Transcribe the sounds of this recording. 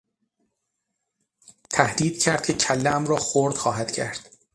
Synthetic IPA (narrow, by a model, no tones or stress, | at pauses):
t̪ʰæhd̪iːd̪̥̚cʰæɾd̪̥̚cʰecʰælːææmrɒːxoɾd̪xɒːɦæd̪̥cʰæ̰ɾd̪̥